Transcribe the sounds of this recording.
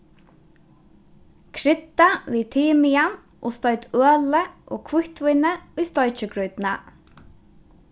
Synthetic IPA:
kʰɾɪt̪ːaviːt̪ʰiːmɪjan | ʔɔst̪ɔɥt̪øːləʔɔ̰kʰvʊht̪vʊjnəʊjst̪ɔjt͡ʃɪkɾujt̪na

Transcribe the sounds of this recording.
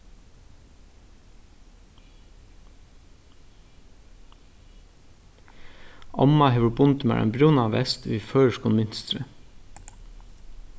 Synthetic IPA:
ʔɑ̰mɑheːʋʊbʊnt̪mæ̰ɹʔɛ̰nbɾʊnɑːʋɛst̪ʋiːføːɹʃkʊnmʏnst̪ɾə

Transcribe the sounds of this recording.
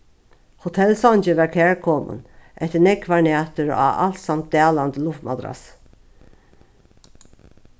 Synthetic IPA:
hʊt̪ʰɛlsɔnt͡ʃəʋæɹkʰɛːɹkʰɔmə̰nʔɛht̪ənɛkʰːvaɹnaːt̪əɹa̰a̰lt̪samt̪̚d̪æːland̪əlʊft̪mad̪ɾa̰s

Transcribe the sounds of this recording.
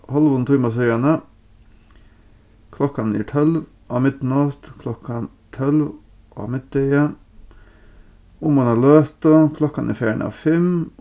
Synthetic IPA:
hɑlʋʊnt̪ʰɪːmɑs̬œʏɑnə | kʰlɔkːɑnḭːʈ̪ʰœlʋ | ʔɑːmɪt̪nɑt̪kʰlɔkːɑn | t̪ʰœlʋ | ʔɑ̰ːmɪt̪̚d̪œɪə | ʊmʊnɑløːt̪əkʰlɔkːɑnʔḭːfjæːəɳɑ̰ːʋfɛm

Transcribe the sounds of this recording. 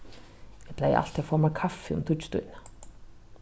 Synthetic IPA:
jɛpʰlaj̰ʔa̰l̥t̪ʰɛfɔɾmakʰafːɪʊ̰mt̪ʰust̪ṵːna

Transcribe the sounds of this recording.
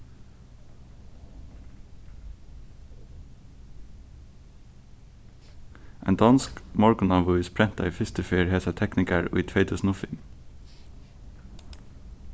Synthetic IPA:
ʔæ̰ːnd̪ɑnskmɑɹɡʊnɑːʋʉɪːspʰɾɛnt̪ɑ̰iːfɪst̪əfiːɹheːsæt̪ʰɛknɪkəɹo̰ːiːt̪ʰʋeɪt̪ʰʊsnʊfɪŋ

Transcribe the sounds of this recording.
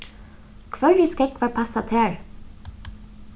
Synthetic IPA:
kʰʋœɹiːskɛkʋɑːɹpʰɑsɑt̪ʰeːɹ

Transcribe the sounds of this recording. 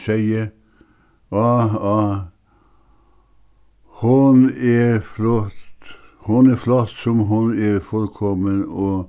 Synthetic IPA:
sæɪə | ɑɑ | hʊnæflɔt̪hʊnæflɔt̪sɔmɦʊnɛɾfɔɾkʰɔmənoː

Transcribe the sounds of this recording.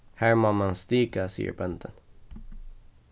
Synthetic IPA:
hæːɾmamanst̪iːkasḭːə̰ɾbɛnt̪ʰən

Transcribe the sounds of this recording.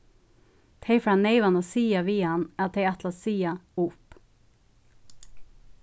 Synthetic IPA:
t̪ʰeɪfɾɑneɪʋɑnəsiːɑʋiːɑnæːt̪ʰeɪæt̪lɑsiːɑʊp

